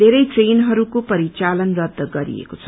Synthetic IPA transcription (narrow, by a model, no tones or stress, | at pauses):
d̪ʱeɾʌjʈrenɦʌɾukopʌɾit͡salʌnrʌd̪ʱːʌɡʌɾḭḛkot͡sʰʌ̥